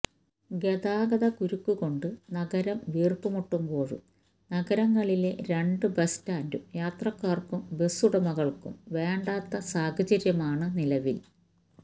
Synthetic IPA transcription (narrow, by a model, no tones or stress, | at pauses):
ɡe̞ðaːɡɐðɐkuɾukːuɣo̞ɳɖɨnɐɣɐɾɐmʋiːrkumuʈːumbo̞ːɻṵm | nɐɡɐɾɐŋːɐɭile̞ɾe̞ɳɖɨbɐstaːndṵmjaːt̪rɐkːaːrkumbe̞suɽɐmɐɣɐɭkṵmʋe̞ːɳɖaːt̪ːɐsaːɡɐd͡ʑɐɾjɐmaːɳɨnilɐʋil